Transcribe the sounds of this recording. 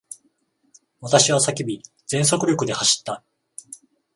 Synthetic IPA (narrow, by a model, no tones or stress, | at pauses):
βat̪aɕiβasakʲibʲi | d͡zẽ̞ɰ̃s̬o̞kɯ̟ɾʲo̞kɯ̟d̪e̞haɕi̥t̪ːa